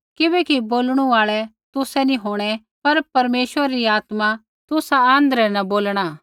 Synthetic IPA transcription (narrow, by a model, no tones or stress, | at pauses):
kɪbɛːkiboːlɽ̃ũaːɭɛ | t̪ʊsɛnĩɦoːɽ̃ɛ | pɐɾpɐɾmeːʃʋəɾaɾiaːt̪ma | t̪ʊsaãːnd̪əɾɛnɐboːlɽ̃aː